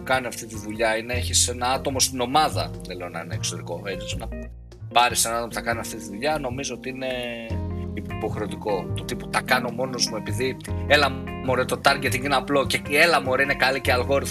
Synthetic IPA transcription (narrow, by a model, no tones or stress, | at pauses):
kɐniɐft̪it̪iðuʎɐineeçise̞nɐɐt̪o̞mo̞st̪ino̞mɐðɐðele̞onɐ̰ineːksoɾiko̞et͡sisnɐ | pɐɾise̞nɐɐt̪o̞moθɐkɐniɐft̪it̪iðuʎɐno̞mizo̞ot̪iine̞ | ipo̞xɾe̞ot̪iko̞t̪ot̪ipo̥t̪ɐkɐno̞mo̞no̞zmue̞piðielɐ | moɾet̪o̞t̪ɐɾɡet̪iinɐplo̞ceie̞lɐmo̞ɾeine̞kaliceɐlɣo̞ɾiθ